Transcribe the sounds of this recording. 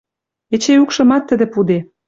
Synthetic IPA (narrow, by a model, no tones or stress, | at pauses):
et͡ɕeukʃɤ̆mɑt̪ːə̆d̪ĕpud̪e